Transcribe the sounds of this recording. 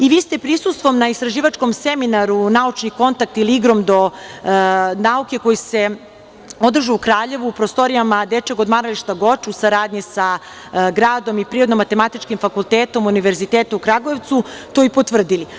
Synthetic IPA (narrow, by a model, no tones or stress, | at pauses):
iʋiːst̪epɾisust̪ʋo̞mnaist̪ɾaʒiːʋat͡ʃko̞mseminaɾunaut͡ʃniko̞nt̪ak̚t̪iliiɡɾo̞md̪o̞ | nauke̞ko̞jise̞ | o̞d̪r̩ʒuːkɾaːʎe̞ʋuːpɾost̪o̞ɾijamad̪et͡ʃeɡo̞d̪maɾaliʃt̪aɡo̞t͡ʃusaɾaːd̪ɲisa | ɡɾaːd̪o̞mipɾiɾo̞d̪nomat̪e̞mat̪it͡ʃkimfakulˠt̪eːt̪o̞muniʋe̞ɾzit̪eːt̪uukɾaɡoeʋt̪sut̪o̞ipo̞t̪ʋr̩d̪ili